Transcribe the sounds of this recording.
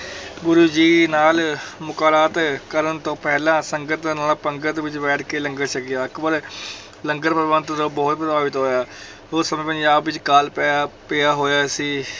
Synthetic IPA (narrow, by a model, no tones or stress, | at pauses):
ɡʊɾuːd͡ʒiːnaːlmʊkaːɾaːt̪kəɾənt̪õːpɛːlãːsəŋɡət̪d̪aːnaːlaːpəŋɡət̪ʋɪt͡ʃbɛːʈʰkeːləŋɡəɾʃəkijaːəkbəɾ | ləŋɡəɾpəɾʋãːnt̪õːd̪oːbɔːt̪̚pət̪aːbɪt̪ɦoːjaː | oːsəmẽːpəɲd͡ʒaːbʋɪt͡ʃkaːlpːpɪaːɦoːjaːsiː